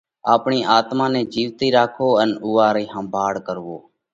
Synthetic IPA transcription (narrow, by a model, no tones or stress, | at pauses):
aːpɳiːʔaːt̪mãːnɛːd͡ʒiːʋt̪iːɾaːkʰoːənʊːaːɾiːhəmbʱaːɽkəɾʋoː